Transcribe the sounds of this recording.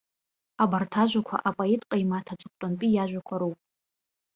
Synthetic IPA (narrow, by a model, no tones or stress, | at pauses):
abartʰaʒʷakʷʰa̰ʔapʼaitʼqʼajmatʰat͡ʃʷʼɨk̚ʷtʼanpʼijaʒᶣʷakʷʰaɾupʼ